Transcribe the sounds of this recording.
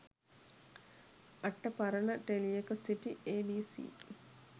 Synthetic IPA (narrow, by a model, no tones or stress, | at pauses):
ɐʈːəpɐɾənəʈelijekəsiʈieːbiːsḭː